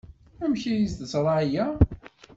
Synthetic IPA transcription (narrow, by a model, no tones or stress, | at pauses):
æmçijizt̪əsɾˤɑʕjæ